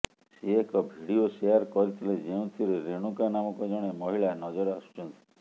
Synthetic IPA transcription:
seekɔbʱiɽioseaɾkɔɾit̪ʰiled͡ʒeũt̪ʰiɾeɾeɽ̃ukanamɔkɔd͡ʒɔɽ̃emɔɦiɭanɔd͡ʒɔɾast͡ʃɔnt̪i̥

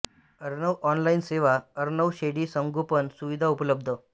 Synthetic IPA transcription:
əɾnəʋʔɔnlainseʋaəɾnəʋɕeɽiːsəŋɡʱopənsuʋid̪ʱaupləb̚d̪ʱə

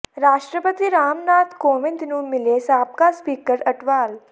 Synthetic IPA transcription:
ɾaːʃʈɾəpət̪iɾaːmnaːt̪koːʋɪ̃nt̪nũmɪlesaːp̚kaspiːkəɾɐʈʋaːl

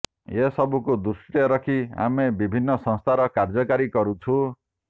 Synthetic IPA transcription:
jesʌbukod̪usʈeɾʌkʰia̰mebibʱinːʌsʌ̃ŋst̪ʰaɾʌkard͡zʌkaɾikʌɾut͡sʰu

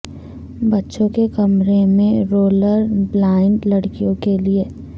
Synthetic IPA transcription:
bɐtːʃõkekɐmɾemẽɾoːləɾblaːɪ̃ɳʈlɐɽkijõkelie

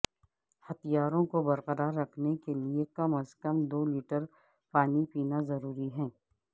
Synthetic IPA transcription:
hɐt̪ijaːɾõkobɐɾqəɾaːɾːɐkʰnekeliekɐməskɐmd̪oːliːʈəɾ | paːnipiːnazɐɾuːɾiɦɛ̃ː

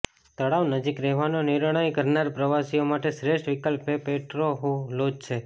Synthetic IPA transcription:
t̪əɽaʋnəd͡ʒikɾɛɦʋanonɪɾɳ̃ajkəɾnaɾpɾəʋasijomaʈeʃɾeʃʈʋikəlpepeʈɾoɦolod͡ʒt͡ʃʰe

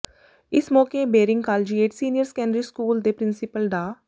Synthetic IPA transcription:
ɪsmɔːkebeːɾɪ̃ŋɡkaːld͡ʒieːʈsiːnɪjəɾskɛ̃ːɳɖɾiskuːld̪epɾɪ̃nsɪpəlɖaː

